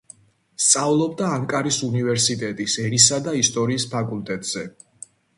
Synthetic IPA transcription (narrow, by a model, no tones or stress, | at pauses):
st̪sʼavlˠɔb̚d̪aːŋkʼaɾisunivɛɾsit̪ʼɛt̪ʼisɛɾisad̪aist̪ʼɔɾiːspʰakʼult̪ʼɛt̪ʼz̥ɛ